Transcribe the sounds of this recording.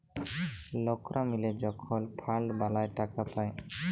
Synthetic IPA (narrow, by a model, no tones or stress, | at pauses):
lɔkɾʔamiled͡ʒɔkʰɔlpʰaɭɖbalajʈakapaj